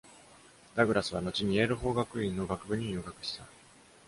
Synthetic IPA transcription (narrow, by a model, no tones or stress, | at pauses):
d̪̥aɡɯ̟ɾasɨβ̞ano̞t͡ɕiɲ̟ieɾɯ̟ɦo̞ːɡakɯ̟ĩnːo̞ɡakɯ̟bɯ̟ɲ̟ijoɡakɯ̟̥ɕi̥t̪a